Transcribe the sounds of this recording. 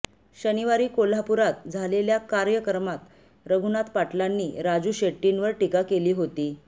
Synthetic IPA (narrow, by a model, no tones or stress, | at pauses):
ɕəniʋaɾiːkol̤apuɾat̪̚d͡zʱaleljakaɾjəkəɾmat̪ | ɾəɡʱunat̪paʈlanːiːɾad͡zuːɕeʈːinʋəɾʈikakeliːɦot̪iː